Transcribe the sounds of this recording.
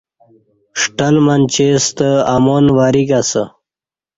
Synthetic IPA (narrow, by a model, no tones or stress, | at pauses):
ʂʈalmant͡ɕest̪əamonwaɾiɡasə̰